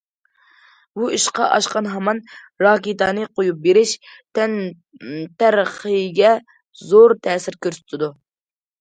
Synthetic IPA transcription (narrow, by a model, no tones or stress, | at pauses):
buiʃqɑʔɑʃqɑnɦɑmɑn | ɾɑːkʲit̪ɑːnɨqʰojup̚beɾɪʃt̪ɛn | t̪ɛɾχəjɡʲɛ | zoɾt̪ʰɛːsɪɾkʲøɾsy̥t̪ʰɪd̪u